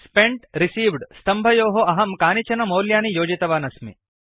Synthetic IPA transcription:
speɳʈɾisiːʋɖst̪ɐmbʱɐjoːɦoɐɦɐmkaːnit͡ʃɐnɐmoːljaːnijoːd͡ʒit̪ɐʋaːnɐsmḭ

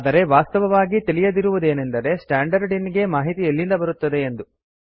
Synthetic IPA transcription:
d̪ɐɾe̞ʋaːst̪ɐʋɐʋaːɡit̪ilijɐd̪iɾuʋud̪e̞ːnend̪ɐɾe̞sʈaːɳɖɐɾɖiniɡe̞maːɦit̪ielːind̪ɐbɐɾut̪ːɐd̪e̞ːnd̪u

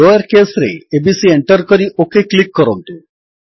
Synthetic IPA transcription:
ɔjəɾkesɾḛebisieɳʈəɾkɔɾiʔokeklikːɔɾɔnt̪u

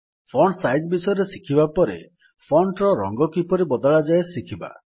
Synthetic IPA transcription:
pʰɔɳsajd͡ʒbisɔjɔɾesikʰibapɔɾḛ | pʰɔɳʈɾɔɾɔ̰ŋɡɔkipɔɾibɔd̪ɔɭad͡ʒaesikʰiba̰

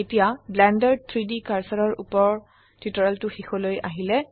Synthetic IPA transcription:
etijablɛndɔɹd̚t̪ʰɹidikaɹsaɹɔɹʔṵpɔɹ | titɔɹaltʊxixɔloja̰ɦilɛ

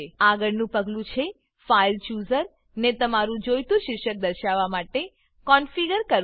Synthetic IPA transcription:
aɡəɭnũpəɡlũt͡ʃʰe | failt͡ʃuzəɾ | net̪əmaɾũd͡ʒojt̪ũʃɪkʃək̚d̪əɾʃaʋamaʈe | kɔnfiɡəɾkəɾ

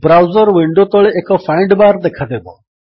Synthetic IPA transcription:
bɾawzəɾʋiɳɖot̪ɔɭeʔekɔfʰaɪɳɖbaɾd̪ekʰad̪ebɔ

